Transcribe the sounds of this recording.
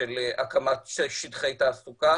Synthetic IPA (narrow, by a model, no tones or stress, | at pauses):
eleʔakamat̪ʃeʃid̪χejt̪aːsuka